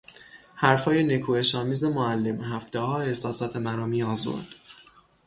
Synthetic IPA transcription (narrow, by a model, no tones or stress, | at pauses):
hæɾfɒːje̞ne̞kʰuːe̞ʃɒːmiːze̞moælːe̞mɦæft̪ehɒːe̞hsɒːsɒːt̪ʰemæɾɒːmiːɒːzo̰ɾd̪̥